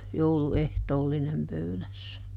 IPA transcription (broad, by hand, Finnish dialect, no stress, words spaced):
jouluehtoːlːinem pøylæsːæ